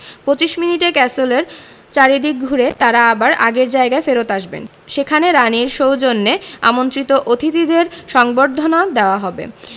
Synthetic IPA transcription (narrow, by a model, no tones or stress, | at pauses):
pot͡ɕiʃminiʈekɛsuleɾ | t͡ɕaɾid̪ik̚ɡʱuɾet̪aɾaabaɾʔa̰ɡeɾd͡ʑaeɡaefeɾot̪aʃbḛn | ʃekʰaneɾaniɾʃowd͡ʑonːea̰mont̪ɾit̪oʔot̪ʰit̪id̪eɾʃɔŋboɾd̪ʱonad̪eoaɦɔbḛ